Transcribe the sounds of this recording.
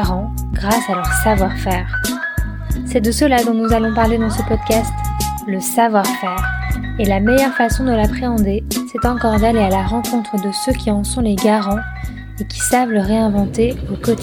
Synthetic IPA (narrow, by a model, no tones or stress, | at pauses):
ʁɑ̃ | ɡʁasalœʁsavwaʁfɛːʁ | sɛd̪əsəlad̪ɔ̃nuzalɔ̃paʁled̪ɑ̃səpɔd̪kast̪ | ləsavwaʁfɛːʁ | elamɛjœʁfasɔ̃d̪əlapχeɑ̃d̪esɛt̪ɑ̃kɔʁd̪alealaʁɑ̃kɔ̃t̪χəd̪əsøkʲʰiɑ̃sɔ̃leɡaʁɑ̃ | ekʲi̥savləʁeɛ̃vɑ̃t̪eokɔt̪